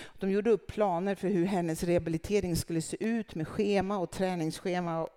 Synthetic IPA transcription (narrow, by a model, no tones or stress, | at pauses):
ɔd̪ɔmjuːɖəɵpːpʰːlɑːnəɾfœɾɦɵɾɦɛnːəsɾɛhabɪlɪt̪ʰeːɾɪŋskɵlːəsḛːʔʉ̟ːt̪meːɧeːmaɔt̪ʰɾɛːnɪŋsɧeːma